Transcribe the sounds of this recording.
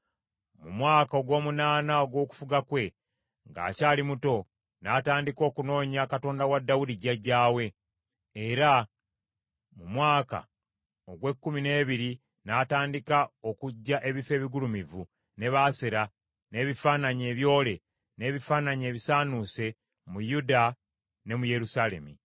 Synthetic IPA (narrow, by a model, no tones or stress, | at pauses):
mumwaːkao̞ɡwo̞ːmunaːnao̞ɡwo̞ːku̥fuɡakwe̞ | ŋɡa̰ːcaːlimuto̞ | nataːndiko̞ːkuno̞ːɲakato̞ːndawadːawudiɟaɟːaːwe̞ː | ɾa | mumwaːka̰ | oɡwe̞kːumine̞ːβiɾi | naːtaːndikao̞kuɟːaʔe̞βife̞ːβiɡulumivu | ne̞βaːseɾa | ne̞βifaːnaɲe̞ːβjo̞ːle̞ | ne̞βifaːnaɲe̞ːβisaːnuse̞ | mujuda | ne̞muje̞ɾusale̞̰mi